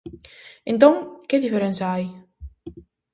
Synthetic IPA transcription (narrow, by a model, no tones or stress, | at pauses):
ent̪ɔŋkeðifeɾensaj